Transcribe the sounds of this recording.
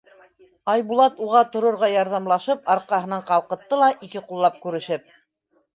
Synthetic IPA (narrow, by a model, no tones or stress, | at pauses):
ɑjbulˠɑt̪uʁɑt̪ŏɾŏɾʁɑjɑɾðɑmlˠɑʃɤpɑɾqɑɦɤ̆nɑɴqɑlˠqɤ̆t̪ːɤlˠɑʔikɘqulˠːɑp̚kʉɾɘ̆ʃɘp̚